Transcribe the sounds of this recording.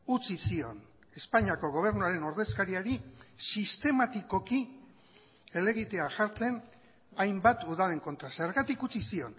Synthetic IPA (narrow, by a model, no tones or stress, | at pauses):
ut͡sisio̞n | e̞spaɲiako̞ɣ̞o̞β̞e̞ɾnuaɾe̞no̞ɾðe̞skaɾiaɾisist̪e̞mat̪iko̞ki | e̞le̞ɣ̞it̪e̞aʝaɾt͡se̞n | ajmbat̪uðale̞ŋko̞nt̪ɾaseɾɣat̪ikut͡sisio̞n